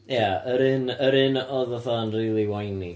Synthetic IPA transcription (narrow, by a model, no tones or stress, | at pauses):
jaəɾɪnəɾɨnɔðəθanriːlˠiwajni